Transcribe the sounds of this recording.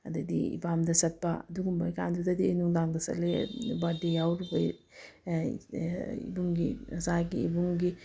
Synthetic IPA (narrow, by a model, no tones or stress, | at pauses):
ɐdɐd̪ḭḭbamdɐsɐt̚paɐduɡumbajkand̪udɐd̪inuŋdaŋd̪ɐsɐ̰lebadijawɾubɐj | ḭbuŋɡizaɡḭːbuŋɡi